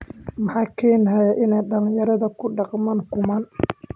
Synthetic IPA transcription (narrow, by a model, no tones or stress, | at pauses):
mɑħɑːkʰɛjnɦɐjɐʔɪnɛjɖɐlɪ̃jɐɾɐðɐkʰʊɖɑqmaːŋkʰʊmɐn